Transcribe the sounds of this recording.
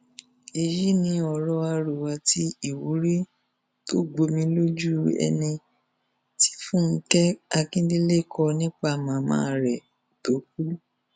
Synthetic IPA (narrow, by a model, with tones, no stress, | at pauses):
e˧ji˦nĩ˨˧˦ɔ˨ɾɔ˧a˧ɾu˨wa˧ti˦i˨wu˨˦ɾi˦ | to˦ɡ͡bo˧mĩ˧lo˦d͡ʒu˦ɛ̰˧nĩ˧ | ti̥˦fũ˦˨n̩˦kɛ˦a˧kĩ˦di˦le˦˨kʰɔ˧nĩ˦k͡pa˦˨mã˨˧mã̰ː˧˦˧ɾɛ˨ | to˨˦k̚u˦